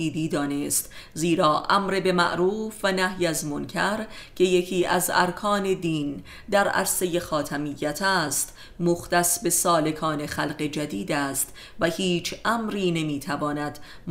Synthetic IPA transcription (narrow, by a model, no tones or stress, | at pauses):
iːd̪iːd̪ɒːne̞st̪ziːɾɒːʔæmɾebe̞mæ̰ʔɾuːfvænæhjæzmoncʰæɾcʰe̞jecʰiːʔæ̰zæ̰ɾkʰɒːne̞d̪iːn | d̪æɾæ̰ɾse̞je̞xɒːt̪ʰæmijːæt̪ʰæːst̪ | moxt̪æsbe̞sɒːle̞kʰɒːne̞xælɢe̞d͡ʒæd̪iːd̪æːst̪ | væhiːt͡ʃʰʔæmɾiːne̞miːt̪ʰævɒːnæd̪ | m